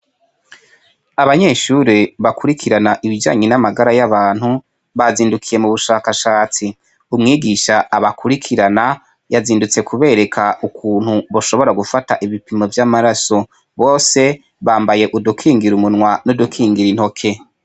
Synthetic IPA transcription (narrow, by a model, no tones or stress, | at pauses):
aβaɲe̞ʃuɾiβakuɾikʰiɾanaʔiβid͡ʒa̰ːɲenamaɡaɾajaβaːn̥hu | βaziːndukʰije̞muβuʃaːkaʃaːt͡si | umŋiːɡiʃaaβakʰuɾikʰiɾana | jaziːndut͡se̞kʰuβe̞ːɾe̞kʰaukʰuːn̥huβo̞ʃo̞βo̞ɾaɡufataʔiβipimovjamaɾaso̞ | βo̞ːse̞ | βaːmbaje̞ʔudukʰiːŋɡiɾumunŋwanodukʰiːŋɡiɾin̥ho̞kʰe̞